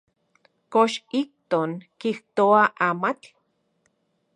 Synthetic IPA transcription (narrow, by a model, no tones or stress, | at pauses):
koʃik̚t̪oŋkiht̪oaʔamat͡ɬ